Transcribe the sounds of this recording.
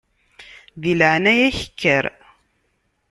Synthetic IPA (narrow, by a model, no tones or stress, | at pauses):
ðilʕnæjæçə̥kʰːəɾ